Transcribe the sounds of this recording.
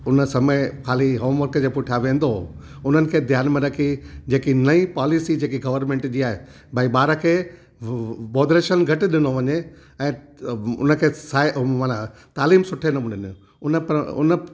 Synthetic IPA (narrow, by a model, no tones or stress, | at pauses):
ʊnəsɐməkʰaːliɦoːmʋɐɾkd͡ʑeːpʊʈʰaʋẽːn̆d̪o | ʊn̤ənɪ̆kʰeːd̪ʱjaːnmẽɾɐkʰid͡ʑeːkinɐipaːlisid͡ʑeːkiɡɐʋəɾmẽːɳʈd͡ʑiːaːɦe | bʱaiɓaːɾəkʰeː | boːd̪ɾeːʃənɡʱɐʈ̆ɗɪnoʋɐɲe | ɛ̃ːʊ̰nə̆kʰeːsaːɪmana | t̪aːliːmsʊʈʰenɐmʊ̃nɪn | ʊnəpʊ̰nə